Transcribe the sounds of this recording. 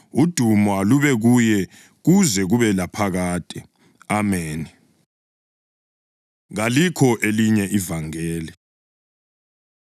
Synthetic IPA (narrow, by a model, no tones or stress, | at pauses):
ud̥ʱumwaluβɛɣujɛ | ɣuzɛɣuβɛlapʰaɣaːtʼi | ameːni | ɣalikʰɔʔeliɲɛʔivaŋɛːli